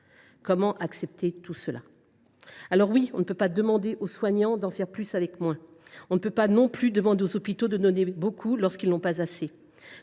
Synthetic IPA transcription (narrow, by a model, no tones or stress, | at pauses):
kɔmɑ̃ʔaksɛp̚t̪et̪usəla̰ | alɔʁwiɔ̃nəpøpad̪əmɑ̃d̪eʔoswaɲɑ̃d̪ɑ̃fɛʁplysavɛkmwɛ̃ | ɔ̃nəpøpanɔ̃plyd̪əmɑ̃d̪eozɔpit̪od̪ənɔnebokʰulɔʁskilnɔ̃pazase